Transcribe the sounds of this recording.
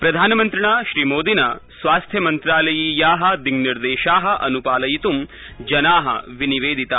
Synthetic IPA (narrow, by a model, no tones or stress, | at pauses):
pɾɐd̪ʱaːnɐmɐnt̪ɾiɳaːʃɾiːmoːd̪ʱinɐsʋaːst̪ʰjɐmɐnt̪ɾaːlɐjiːjaːɦɐ̆d̪iɡniɾd̪eːʃaːɦɐ̆ʔɐnupaːlɐjit̪um | d͡ʒɐnaːɦɐ̰ʋiniʋeːd̪ʱit̪ɐ